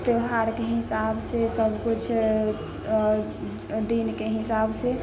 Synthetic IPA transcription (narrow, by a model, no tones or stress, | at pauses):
t̪eɦaɾkeɦisabsesəbʱkut͡ʃʰ | d̪inkeɦisabse